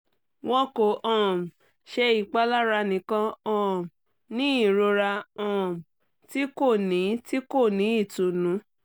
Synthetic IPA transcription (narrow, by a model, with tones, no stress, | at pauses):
w̃ɔ̃˧ko˨ʔɔ̃˨m˨ | ʃɛ˧i˨k͡pa˦la˦ɾa˧nĩ˨˦kã˧ɔ̃˦˨m˨ | nĩ˦i˦˨ɾo˧ɾa˧ɔ̃˦˨m˨ | ti˦ko˦˨nĩ˨˦ti˦ko˦˨nĩ˨˦i˦˨tu˨nũ˨˦